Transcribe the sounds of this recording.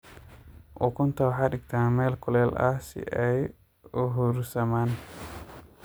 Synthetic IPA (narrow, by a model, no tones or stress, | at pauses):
ʔʊkʰʊnt̪ʰɐwħɑːɖɪɡt̪ʰaːmɛːlkʰʊlɛːlɐ̰hsɪ̰ʔɛj | ʊɦuɾsɐmaːn